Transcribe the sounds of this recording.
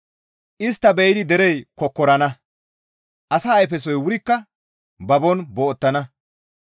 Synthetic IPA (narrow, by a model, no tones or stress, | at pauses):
ʔɪst̪ːɐbɛjd̪ɪd̪ɛɾɛjkɔkːɔɾɐnɐ | ʔɐsaːjfɛs̬ɔjwʊɾɪkːɐ | bɐbɔnboːɔt̪ːɐnɐ